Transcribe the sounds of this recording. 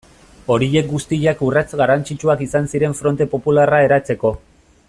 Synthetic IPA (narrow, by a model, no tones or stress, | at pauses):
o̞ɾiʎe̞k̚ɡust̪iʎakurat͡sɡarant͡sit͡ʃuakisansiɾe̞ɱfɾo̞nt̪e̞po̞pularae̞ɾat͡se̞ko̞